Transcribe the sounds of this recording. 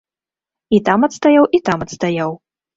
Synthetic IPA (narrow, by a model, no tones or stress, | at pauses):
it̪amɐt̪st̪ajawit̪amɐt̪st̪ajaw